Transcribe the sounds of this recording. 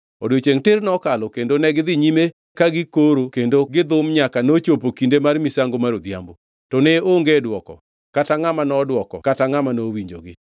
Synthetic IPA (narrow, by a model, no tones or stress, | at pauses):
ɔdjot͡ʃeŋtɪrnɔkalɔkendonɛɡɪd̪ɪɲime | kaɡɪkoɾokendoɡɪd̪ʊmɲakanot͡ʃopokindemarmisaŋɡomaɾod̪ja̰mbo | tɔneoŋɡedwɔkɔ̰ | kataŋamanɔdwɔkɔ̰kataŋamanowiɲd͡ʒo̰ɡɪ̰